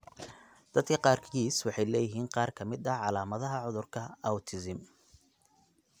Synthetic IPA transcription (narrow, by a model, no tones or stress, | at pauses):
d̪̥ɐd̪kʰɐqɑːrkʰiːswɑħɑjlɛːjɪɦiːnqɑːrkʰɐmɪd̪ɐʕɑlaːmɐðɐɦɐʕʊðʊrkʰɐɐwt̪ʰɪsɪm